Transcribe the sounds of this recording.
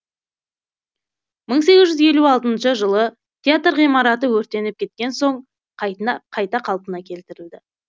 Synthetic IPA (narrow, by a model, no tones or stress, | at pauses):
məɴs̬e̞ɡʲɪzʒʏzje̞luɑlˠt̪ənʃəʒəlˠə | t̪ʲʰeat̪rʁijmɑɾɑt̪əwɵɾt̪e̞nɪp̚kʲʰe̞t̪̚kʲe̞nso̞ɴ | qʰɑjɑqʰɑjt̪ɑqʰɑlˠpənɑkʲʰe̞lt̪ɪɾɪld̪ɪ